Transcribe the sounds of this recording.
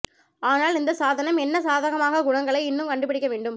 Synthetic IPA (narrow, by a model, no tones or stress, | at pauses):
aːnaːlɪnd̪ɐsaːðɐnɐmɛnːɐsaːðɐɣɐmaːɣɐɡʊɳɐŋɡɐɭɐɪɪnːɯmkɐɳɖɯp̬ɪɽɪkːɐʋeːɳɖɯm